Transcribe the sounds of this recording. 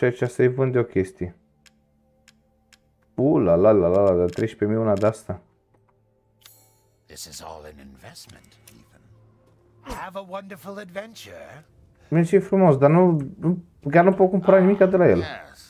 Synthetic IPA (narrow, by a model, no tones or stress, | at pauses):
t͡ʃɛt͡ʃast̪ejvund̪ɔkʰest̪i | ulalalalalad̪at̪ɾeʃpemiunad̪ast̪a | ðɪsɨzɔ̰lˠɪ̃nɪ̃ɱvɛsmɨ̃nt | iṽn | əvəwʌ̃ndə˞fl̩ˠədvɛ̃nt͡ʃə˞ | mensifɾumɔzd̪anu | ɡanopɔkumpɾanmikad̪əlaela